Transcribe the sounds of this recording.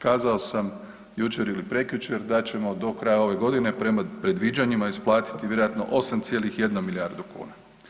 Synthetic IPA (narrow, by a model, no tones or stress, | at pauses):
kaːzao̞sam | jut͡ʃe̞ɾilipɾe̞kjut͡ʃe̞ɾd̪at͡ɕe̞mo̞d̪o̞kɾajao̞ʋe̞ɡo̞d̪ine̞pɾemapɾe̞d̪ʋid͡ʑaɲimaisplˠaːt̪i̥t̪iʋjeɾojat̪no̞̰ʔo̞samt̪sjelixje̞d̪nomiljaɾd̪ukṵːna